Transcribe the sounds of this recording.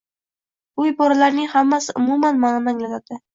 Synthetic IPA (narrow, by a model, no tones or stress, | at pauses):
ʊjbɒɾalaɾnɪŋhamːasɪʔʊmumanmanɪnaŋlat̪at̪ɪ